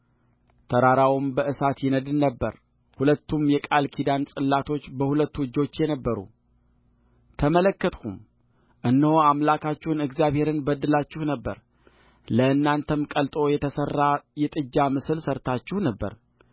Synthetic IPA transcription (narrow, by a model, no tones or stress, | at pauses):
t̪ʰəɾaɾawumbəʔɨsat̪jɪnəd̪ɨnːəbːə̰ɾ | hulət̪ːumjɛkʼalkʰid̪ansʼɨlːat̪ʰo̞t͡ʃːbəhulət̪ːuwɨd͡ʒːo̞t͡ʃːjɛnəbːəɾṵ | t̪ʰəmələkːət̪kʰṵm | ʔɨnːəhoamlakʰat͡ʃːɪhunɨɡzjaβhe̞ɾɨnbəd̪ːɨlat͡ʃːɪhnəbːə̰ɾ | ləɨnːant̪ʰəmkʼəlt̪ʼo̞jɛt̪ʰəsərːajɛt̪ʼɨd͡ʒːamɨsɨlsəɾt̪ʰat͡ʃːɪhnəbːə̰ɾ